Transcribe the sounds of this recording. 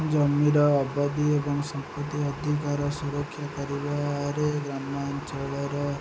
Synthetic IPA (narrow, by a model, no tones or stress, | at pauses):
d͡ʒʌmiɾɔːbad̪iebɔŋsɔmpət̪iɔd̪ʱik̬aɾɔsuɾɔkʰːjakɔɾibaɾeɡɾamːant͡ʃɔɭeɾɔ